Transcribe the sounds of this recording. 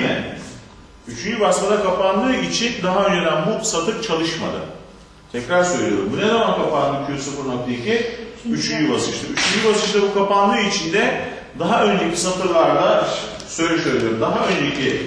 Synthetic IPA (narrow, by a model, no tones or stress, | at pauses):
næ̰n | yt͡ʃʰynd͡ʒybasmad̪akʰapanlˠɯːit͡ʃʰind̪aɦaø̞nd͡ʒe̞d̪ænbusat̪ʰɯɾt͡ʃʰalˠɯʃma̰d̪ɯ̰ | t̪ʰɛcɾaɾsøjlʲijo̞ɾumbunezamankʰapanlˠɯcʰysɯfɯɾmˠak̚t̪icʰiyt͡ʃʰynd͡ʒybasɯʃt̪ɯyt͡ʃʰynd͡ʒybasɯʃlɯbukʰapanlˠɯːit͡ʃʰind̪ɛ | d̪aɦaø̞nd͡ʒecʰisat̪ɯɾlˠaɾd̪a | søjlʲɛʃøjlʲijoɾumd̪aɦaø̞nd͡ʒecʰi